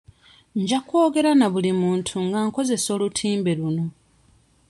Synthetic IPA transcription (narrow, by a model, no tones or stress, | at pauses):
ɲɟakwo̞ːɡe̞ɾanaβulimuːntʰuŋɡaŋko̞ze̞so̞ːlutʰiːmbe̞luno̞